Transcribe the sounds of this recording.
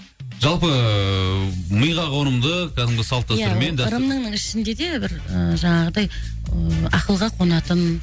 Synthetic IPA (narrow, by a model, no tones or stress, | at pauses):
ʒ̥ɑlˠpə | məjʁɑqʰoɾəmd̪əkʲʰæd̪ɪmɡʲɪsɑlˠt̪̚ːɑsjtaəɾmend̪ɑɾəmnəɴnəɴɪʃɪnd̪e̞d̪e̞bɪɾəʒɑɴɑʁəd̪ɑj | ɑqəlˠʁɑqʰo̞nɑt̪ən